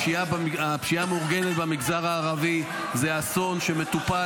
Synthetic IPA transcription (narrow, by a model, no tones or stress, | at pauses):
iabiapʃiamuʁɡe̞net̪bamiɡzaʁaːʁavi | zeaso̞nʃe̞met̪upa